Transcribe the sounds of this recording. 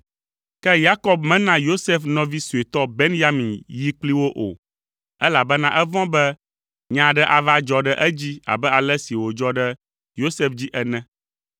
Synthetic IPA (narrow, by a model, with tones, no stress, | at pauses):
kɛ˦ja˦kɔ˦bmɛ̃˦nã˦jo˦se˦fnɔ̃˦vi˦su˨e˨t̪ɔ˦be˦nja˦mĩ˨nji˦k͡pli˦wo˦ʔo̰˨ | ɛ˦la˨bɛ˦nã˦ʔɛ˦vɔ̃˦bɛ˦ | ɲã˨ɖɛ˦ʔa˨va˦d͡ʒɔ˦ɖɛ˦ʔɛ˦d͡ʑi˦a̰˨bɛ˦a˨lɛ˦si˨wo˨d͡ʒɔ˦ɖɛ˦ | jo˦se˦fd͡ʑi˦ʔɛ˨nɛ̃˦